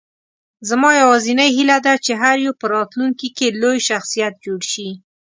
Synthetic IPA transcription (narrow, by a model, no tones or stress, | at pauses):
zamɑjawɑzinəjɦilad̪at͡ʃeɦaɾjopəɾɑt̪luŋkikelojʃaxsijat̪̚d͡ʒoɽʃi